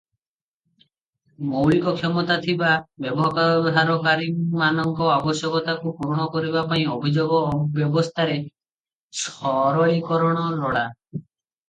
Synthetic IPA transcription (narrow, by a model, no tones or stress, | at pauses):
mowɭikɔkʰɔmɔt̪at̪ʰibabjɔbɔɦkabʱaɾɔkaɾimanɔŋkɔabɔsjɔkɔt̪akupuɾɽ̃ɔkɔɾibapaĩobʱid͡ʒoɡɔbjɔbɔst̪ʰaɾe | sɔɾɔɭikɔɾɔɽ̃ɔɾɔɽa